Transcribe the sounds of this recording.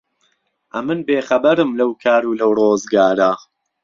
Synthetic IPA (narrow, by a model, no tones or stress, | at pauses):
ʔɐmɨnbeːχɐbɐɾɨmlɐwkʰaːɾuːlɐwroːzɡaːɾa